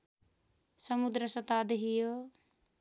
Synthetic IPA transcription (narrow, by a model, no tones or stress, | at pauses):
sʌmud̪ɾəsʌt̪aːd̪eɦijo